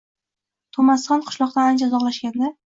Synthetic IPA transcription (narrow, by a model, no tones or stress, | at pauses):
t̪ʰomansɒnqʰʊ̥ʃlˠɒqt̪aand͡ʒazɒʁlaʃɡʲand̪ɪ